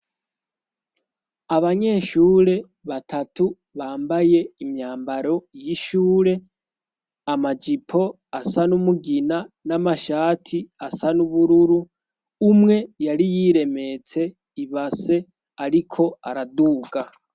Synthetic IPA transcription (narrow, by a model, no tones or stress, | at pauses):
aβaɲe̞ːʃuːɾe̞ | βatʰatʰu | βaːmbaje̞imɲaːmbaɾo̞jiʃuːɾe̞ | amad͡ʒipʰo̞ | asanumuɡinanamaʃaːtʰiasanuβuɾuɾuː | mŋe̞jaɾijiɾe̞me̞t͡se̞ | iβase̞ | aɾikʰo̞aɾaduːɡa